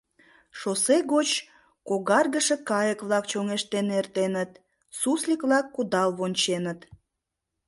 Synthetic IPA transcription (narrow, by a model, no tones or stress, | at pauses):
ʃoseɣot͡ɕ | koɣɑrɣəʃe̽kɑjəkβlɑkt͡ɕoŋeʃt̪enert̪enət̪ | suslʲikβlɑkːud̪ɑlβonʲt͡ɕenət̪